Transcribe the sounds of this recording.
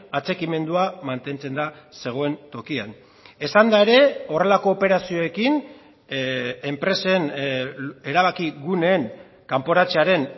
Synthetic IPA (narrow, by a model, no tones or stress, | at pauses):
at͡se̞kime̞nd̪uamant̪e̞nt͡se̞nd̪ase̞ɣ̞o̞e̞nt̪o̞kian | e̞sand̪ae̞ɾe̞o̞re̞lako̞ːpe̞ɾasio̞e̞kin | empɾe̞se̞n | e̞ɾaβ̞akiɣune̞ːŋ | kampo̞ɾat͡seaɾe̞n